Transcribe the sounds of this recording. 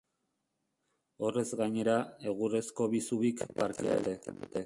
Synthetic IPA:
o̞re̞zɡaɲe̞ɾae̞ɣure̞sko̞βisuβikpaɾkeḛt̪et̪e

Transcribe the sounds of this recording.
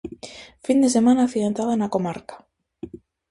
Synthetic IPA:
find̪e̞s̬e̞manaθiaent̪ɾaðaenako̞maɾkḁ

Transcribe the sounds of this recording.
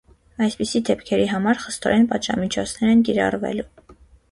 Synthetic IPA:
ɑjspisid̪ɛpkʰɛɾiɦɑmɑɾχə̥st̪ɔ̰ɾɛnpɑd̪ʒɑ̰mit͡ʃʰɔt͡sʰnɛɾɛnkiɾɑ̰rvɛ̰lu

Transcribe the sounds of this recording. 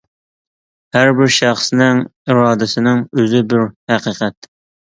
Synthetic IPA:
hæɾbɪɾʃæχsnɪŋiɾɑːd̪ɪsɪnɪŋøzɪbɪɾhæqiːqʰɛt̪

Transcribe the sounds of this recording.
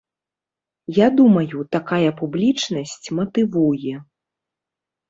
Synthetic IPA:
jad̪umɐjut̪akajɐpublʲit͡ʂnɐsʲt͡sʲmɐt̪ɨvujɛ

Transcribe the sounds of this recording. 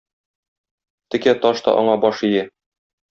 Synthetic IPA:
t̪ɘ̆kæt̪ɒʃt̪ɒ̰ʔɒɴɑbɒʃijæ

